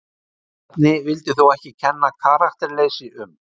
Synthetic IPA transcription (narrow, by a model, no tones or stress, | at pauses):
ɛt̪nɪvɪlt̪ɪθuwɛhcɪcʰɛnːakʰaːɾaxt̪ɛɾlejsɪʔʏm